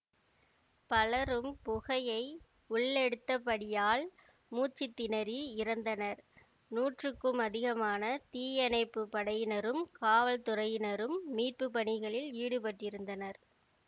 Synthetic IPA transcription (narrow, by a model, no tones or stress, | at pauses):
pɐlɐɾɯmpʊɣɐjɐɪ | ʊɭːɛɽɯt̪ːɐpːɐɽɪjaːl | muːt͡ʃːɪt̪ːɪnɐɾiɪɾɐnd̪ɐnɐɾ | nuːʈrɯkːɯmɐðɪɣɐmaːnɐt̪iːjɐnɐɪpːɯpːɐɽɐjɪnɐɾɯmkaːʋɐlt̪ʊɾɐjɪnɐɾɯmːiːʈ̚pɯpːɐɳɪɣɐɭɪliːɽɯpɐʈrɪɾɯnd̪ɐnɐɾ